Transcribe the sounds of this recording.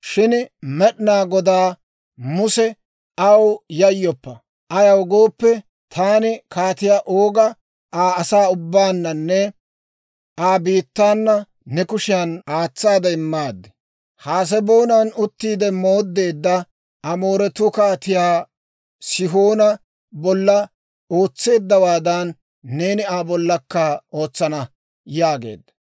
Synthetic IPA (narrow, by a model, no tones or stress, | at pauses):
ʃɪnmɛɗnaːɡɔd̪aː | mʊsɛ | ɐwjɐjːɔpːɐ | ʔɐjɐwɡo̞ːpːɛ | t̪ʰaːnɪkaːt̪ɪjaːʔoːɡɐ | aːsaːʊbːaːnːɐnːɛ | aːbiːt̪ːaːnːɐː | ɛkʊʃɪjɐnaːt͡sːaːd̪ɐɪmːaːd̪ːɛ̥ | haːs̬ɛbo̞ːnaːnʊt̪ːiːd̪ɛmo̞ːd̪ːe̞ːd̪ːɐ | ʔɐmo̞ːɾɛt̪ːʊkaːt̪ɪjaː | sɪɦoːnɐ | bɔlːɐ | o̞ːt͡sːe̞ːd̪ːɐwaːd̪ɐnː | e̞ːnɪaːbɔlːɐkːɐo̞ːt͡sːɐnɐ | jaːɡe̞̰ːd̪ːɐ